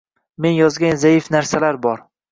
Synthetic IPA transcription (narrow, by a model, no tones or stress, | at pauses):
me̞njɒzɡʲanzajɪfnaɾsalaɾbɒɾ